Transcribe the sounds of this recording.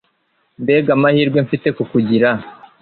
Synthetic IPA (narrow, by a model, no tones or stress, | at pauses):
mbe̞ːɡamahiːɾɡweɱfite̞kukuɟiɾa